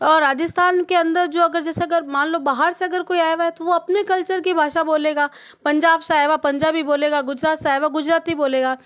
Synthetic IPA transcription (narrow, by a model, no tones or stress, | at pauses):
ɔːɾːaːd͡ʒɪst̪ʰaːnkeɐ̃nd̪əɾd͡ʒoːɐɡəɾd͡ʒɛːseɐɡəɾmãːnloːbaːɦəɾseɐɡəɾkoːiaːjʋaɦɛt̪oʋoɐpnekɐlt͡ʃəɾkibʱaːʃaboːleːɡaː | pɐ̃ɲd͡ʒaːbsaːɦeʋapɐ̃ɲd͡ʒaːbʱiboːleːɡaɡʊd͡ʒɾaːt̪saːɦeʋaɡʊd͡ʒɾaːt̪ɦiboːleːɡaː